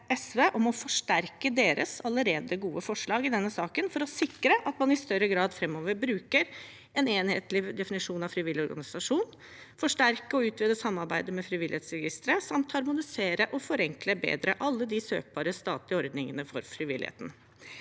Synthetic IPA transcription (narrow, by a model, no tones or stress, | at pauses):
ɛsʋeːʔɔmɔfɔʂʈæɾkəd̪eːɾə̰sɑləɾeːd̪əɡuːəfɔʂɭɑːɡɪd̪ɛnːəsɑːkənfɔɾɔsɪkɾəʔɑt̪mɑnɪst̪œɾəɡɾɑːd̪fɾɛmːoːʋəɾbɾʉːkəɾ | ɛneːnhḛːt̪lɪd̪ɛfɪnɪʂuːnɑʋfɾɪʋɪlːɪɔɾɡɑ̰nɪsɑʂuːn | fɔʂʈæɾkəɔʉːt̪ʋɪːd̪əsɑmːɑɾbæɪd̪əmɛfɾɪʋɪlheːt̪sɾɛɡɪst̪ɾəsɑmt̪hɑɾmʊnɪseːɾəʔɔfɔɾɛŋkləbḛːd̪ɾəʔɑlːəd̪ɪsø̰ːk̚bɑːɾəst̪ɑ̰ːt̪lɪɔɾd̪nɪŋənəfɔɾfɾɪʋɪ̰lɪhḛːt̪n̩